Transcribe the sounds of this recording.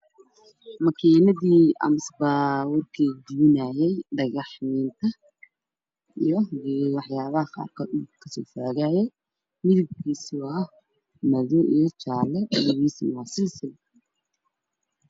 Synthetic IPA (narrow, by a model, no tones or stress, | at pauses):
mɐkʰiːnɐðiːɐ̰msbaːwʊrkʰiːd̪uːnaːjɛjɖɐɣɑħniːnt̪ʰɐ | ijɔwɑħjaːβɐhɐqɑ̰ːrkʰɔːd̪ukʰɐsɔːfaːɣaːjɛj | mɪðʊb̚kʰiːsʊɐh | mɐðɔʔijt͡ʃaːlɛʔjwiːsmaːsɪlsɪ